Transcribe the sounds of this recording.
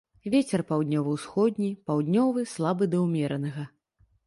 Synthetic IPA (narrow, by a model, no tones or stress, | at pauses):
vʲet͡sʲɛrpawd̪ʲnʲɔvɨwsxɔd̪ʲnʲipawd̪ʲnʲɔvɨslˠabɨd̪ɐwmʲɛɾɐnɐɣɐ